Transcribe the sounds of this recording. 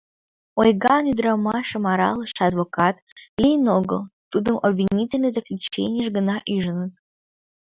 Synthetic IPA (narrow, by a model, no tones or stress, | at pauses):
ojɡɑnyd̪ɾɑmɑʃə̆mɑɾɑ̰lˠɤʃɑd̪vokɑt̪lʲejnoɡəlˠt̪ud̪əmʔobvʲinʲitʲɪlnəjzəklʲut͡ɕḛnʲɪjəʒɡə̆nɑʔyʒə̆nət̪